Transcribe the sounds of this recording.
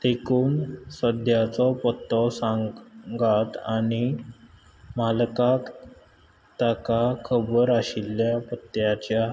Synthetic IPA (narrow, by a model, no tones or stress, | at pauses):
t̪ekʰuːnsəd̪ʱjat͡sɔpət̪ːɔsãŋɡat̪a̰ñi | malkak | t̪akakʰəbəɾaɕilːjapət̪jat͡ɕja